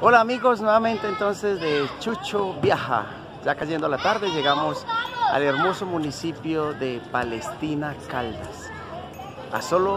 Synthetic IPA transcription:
olaːmiɣos̬nweβament̪eːnt̪onsezðet͡ʃut͡ʃobjaxa̰ | ʝakaʝend̪oalat̪aɾðeʝeɣamosa̰leɾmosomunisipjoðepalest̪inakald̪a̰s | a̰solo

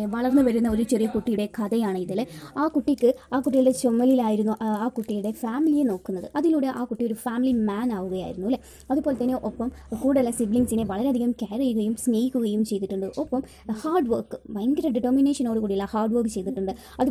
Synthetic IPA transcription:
ʋɐɭɐrnːɨʋɐɾunːɐo̞ɾut͡ɕerijɐkuʈːijuɽe̞kʰɐðɐjaːɳɨiðilaːkuʈːikːɨaːkuʈːijlɖe̞t͡ɕomːɐlilaːjiɾunːuʔaːkuʈːijuɽe̞faːmilijeno̞ːkːunːɐðɨʔɐðiluːɽe̞ʔaːkuʈːijoɾufaːmilimaːnaːʋuɣɐja̰ːjiɾunːuilːɐ | ɐðupo̞ːlet̪ɐnːe̞ʔopːɐmkuːɽɐlːɐsibliŋsineʋɐɭɐɾeɐd̪ʱiɣɐmkaːɾɐjuɣɐjumsneːjikʲːuɣɐjumt͡ɕe̞jt̪̬ːiʈːuɳɖɨʔopːɐm | haːrɖʋɐrkːɨʋɐjŋɡɐɾɐɖiʈːɐrmine̞ːʂɐno̞ːɽɨkuːɽijɐlːahaːrɖʋɐrkːɨt͡ɕe̞jt̪̬iʈːuɳɖɨ | ɐðu

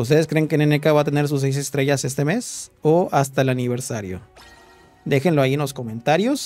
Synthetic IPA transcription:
ust̪e̞ðeskɾe̞ŋkenenekaβat̪e̞ne̞ɾs̬us̬ejs̬e̞st̪ɾe̞ʝase̞st̪e̞me̞soast̪aelaniβ̞e̞ɾsaɾjo̞̰ | d̪e̞xenlo̞aienlo̞sko̞mẽ̞nt̪aɾjo̞s

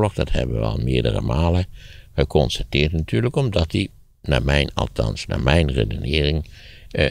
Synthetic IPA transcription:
lɔxdɑthɛ̰bəəʋəɑ̰lˠmɪːɹdə̰rə̰maːləχəkɔnstatɪːɹtnatyːɹləkɔmdɑtdi | naːmɛjnɑlˠtʰɑ̰nsna̰ːmɛjnrḛdənɪːrɪŋ

